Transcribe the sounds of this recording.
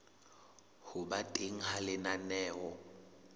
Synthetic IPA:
hʊbatʼeŋ̩halɪnanɛːɔ

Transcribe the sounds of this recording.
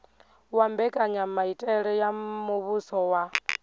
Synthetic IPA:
wambɛkʼaɲamaitʼɛɺɛjamuβusɔwa

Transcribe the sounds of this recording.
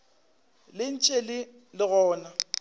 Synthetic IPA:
lɪn̩t͡ʃʼelɪ | lɪɣɔːna

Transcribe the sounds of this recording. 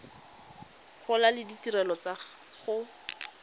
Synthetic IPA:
χʰʊlalɪditirɛlɔt͡sa | χʊ

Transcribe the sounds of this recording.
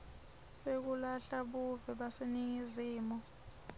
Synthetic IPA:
sek̬ulaɬaɓuvɛɓaseniŋiziːmɔ

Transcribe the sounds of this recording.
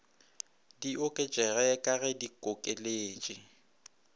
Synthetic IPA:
diokʼet͡ʃʼɛɣɛɛkʼaɣɛdikʼokʼeleːt͡ʃʼɪ

